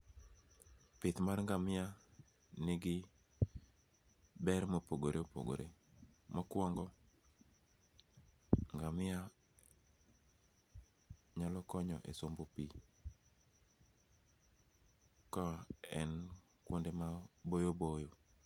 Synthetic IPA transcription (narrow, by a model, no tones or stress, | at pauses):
pɪt̪marŋɡamɪa | nɪɡɪ | bɛɾmopoɡoɾeopo̰ɡo̰ɾḛ | makwɔŋɡɔ | ŋɡamɪa | ɲalɔkɔɲɔ̰ʔḛsombopi | kɔɛn | kwondemabojobojo